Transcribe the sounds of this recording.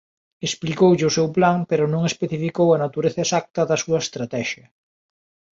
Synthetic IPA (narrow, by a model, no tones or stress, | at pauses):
esplikowʎɪʊsewplaŋpeɾʊnõŋespeθifikowɐnat̪uɾeθɐesak̚t̪ɐðɐsuɐest̪ɾat̪ɛʃɐ